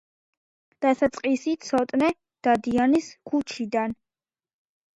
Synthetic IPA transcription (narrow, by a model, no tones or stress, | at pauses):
d̪̥asat̪sʼqʼisit̪ʰsɔt̪ʼnɛ | d̪̥ad̪ianiskʰut͡ʃʰid̪an